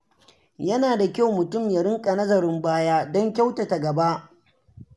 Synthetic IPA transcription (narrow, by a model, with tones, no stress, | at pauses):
jɐ˦naː˨da˨kʲa˦˨wmʊ˨tʊ˦˨mjɐ˨ɽɪ˦ŋkʼɐ˨nɐ˦zɐ˨ɾɪ˦mbaː˦jaː˦dɔ˦ŋkʲa˦wtɐ˨ta˨ɡɐ˨ba˦ʔ